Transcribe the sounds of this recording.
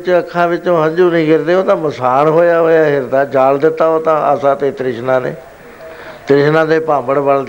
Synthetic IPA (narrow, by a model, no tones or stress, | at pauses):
t͡ʃəkʰːãːʋɪt͡ʃõːɦə̃ɲd͡ʒuːnĩːɡɪɾd̪eːɦõːt̪ãːməsaːnɦoːjaːɦoːjaːkɪɾd̪aːd͡ʒaːld̪ɪt̪ːaːoːt̪ãːʔa̰ːsãːt̪eːt̪ɾɪʃnãːnḛː | t̪ɾɪʃnãːd̪eːpãːmbəɽbəld̪